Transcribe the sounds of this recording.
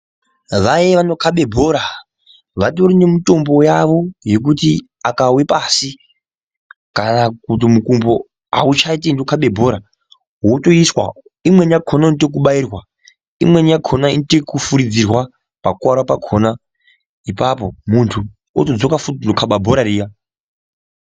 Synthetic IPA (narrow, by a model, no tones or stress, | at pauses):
ʋajeʋanokʰaɓe̞bʱo̞ɾa | ʋatorinemito̞mbo̞jaʋo̞je̞k̬uti | akawepaːsi | kanakut̬imukumbo | a̰ut͡ʃait̬indokʰaɓe̞bʱo̞ɾa | woto̞iswa̰ | imwe̞njakʰonaintek̬uɓairwa | ḭmwe̞njakʰo̞naintekufuɾid͡zirwa | pakuaɾapakʰona | ipapo̞muntʰu | o̰tod͡zo̞kafutnokʰaɓabʱoɾarija